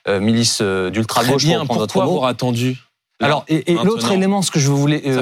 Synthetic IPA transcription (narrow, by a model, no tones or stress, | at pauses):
ømilisød̪ylt̪χaɡoʃɛ̃ppɔt̪kwavaʁat̪ɑ̃d̪y | alɔʁeʔelot̪χelemɑ̃sə̥kəʒəvulɛ